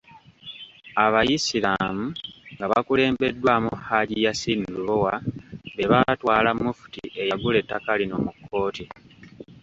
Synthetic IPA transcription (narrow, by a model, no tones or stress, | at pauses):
aβajisilamuŋɡaβakule̞ːmbe̞dːwaːmuhaɟijasinduβowaβe̞βatwaːlamːufu̥tḭʔe̞jaɡule̞tːakalino̰mukʰːo̞ːti